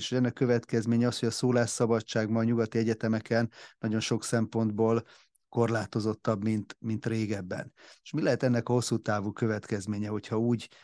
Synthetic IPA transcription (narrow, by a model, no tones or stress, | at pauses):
eʃhoɛnːɛkøvɛt̪kɛzmeːɲɛɒshoɟɒsoːlaːʃːɒbɒt͡ʃːaːɡmɒːɲuɡɒt̪iɛɟɛt̪ɛmɛkɛnːɒɟo̞nʃo̞ksɛmpo̞nd̪boːl | ko̞rlaːt̪o̞zo̞t̪ːɒbmint̪mint̪reːɡɛbːɛ̰neʃmilɛɦɛt̪ɛnːɛkɒho̞sːut̪aːvuːkø̞vɛt̪kɛzmeːɲɛho̞chɒuːɟ